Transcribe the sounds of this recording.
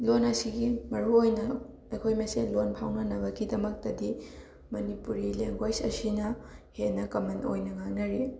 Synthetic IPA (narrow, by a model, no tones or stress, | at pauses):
lonɐsiɡimɐɾuojnɐ | ejkʰojmesenlonpʰawnɐnɐbɐɡidɐmɐk̚tɐdi | mɐnipuɾileŋɡwajd͡ʒɐsinɐhenːɐkɐmɐno̰jnɐŋaŋnɐɾi